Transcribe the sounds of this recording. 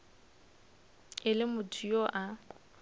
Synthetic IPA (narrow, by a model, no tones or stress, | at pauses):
ɪlɪmʊtʰujoʔa